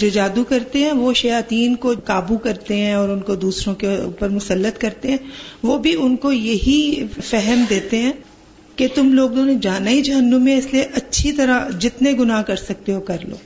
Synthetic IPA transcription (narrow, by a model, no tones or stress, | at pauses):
d͡ʒoːd͡ʒaːd̪ukɐɾt̪eɦɛ̃ʋoʃɐjaːt̪iːnkokaːbukɐɾt̪eɦɛ̃ɔːɾʊnkod̪uːsɾõkeṵːpəɾmʊsəlːət̪kɐɾt̪eɦɛ̃ːʋoːbʱiʊnkojɐɦifɛɦɛmd̪eːt̪eɦɛ̃ː | ket̪ʊmloːɡ̚d̪oːnõd͡ʒaːnaid͡ʒɐɦənːõmːẽɪslieʔɐtːʃʰit̪ɐɾad͡ʒɪt̪neɡʊnaːkɐɾsɐk̚t̪eɦokɐɾlo̰ː